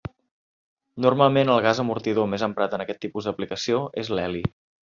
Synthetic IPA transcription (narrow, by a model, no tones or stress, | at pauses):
nurmalˠmenəlˠɣazəmuɾt̪iðomezəmpɾat̪ənəkɛt̪ːipuzd̪əplikəsioezlɛli